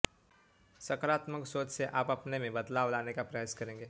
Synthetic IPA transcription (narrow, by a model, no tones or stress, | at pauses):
sɐkɾaːt̪məksoːt͡ʃseʔaːpɐpnemẽbɐd̪laːʋlaːnekapɾɐjaːskɐɾẽːŋɡeː